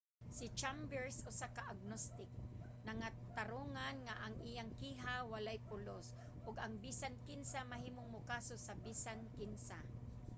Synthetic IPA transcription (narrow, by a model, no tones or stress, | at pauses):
sɪt͡ʃambɛɹsʊsakaʔaɡ̚nost̪ɪk̚ | naŋat̪aɾoŋanŋaʔaŋʔijaŋkiːɦawalajpʊlos | ʔʊɡaŋbisankɪnsamaɦiːmʊŋmʊkasosabisankɪnsa